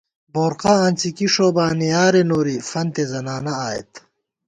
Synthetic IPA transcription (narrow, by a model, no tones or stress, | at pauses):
boːɾqaɐnʲt͡sikiʂoːbaːnijaːɾenoːɾifɐnt̪ezɐnaːnɐaːḛt̪